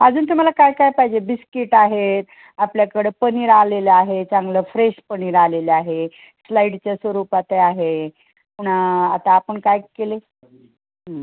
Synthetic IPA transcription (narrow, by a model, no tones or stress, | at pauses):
ad͡zuːnt̪um̤alakajkajpaɦid͡ʑebiskiʈaɦet̪ | apljakəɽepəniːɾaleleaɦet͡saŋɡləfɾeɕpəniːɾaleleaɦe | slaiɖt͡ɕjasʋəɾupat̪eaɦe | puɽ̤̃aat̪aːpəɳkajkele | ɦə